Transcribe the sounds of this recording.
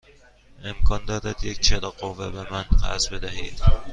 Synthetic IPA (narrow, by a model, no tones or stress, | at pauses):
ʔe̞mkʰɒːnd̪ɒːd̪æd̪jec̚t͡ʃʰed̪ɒɢovːebemænɢæ̰zbed̪æɦiːd̪̥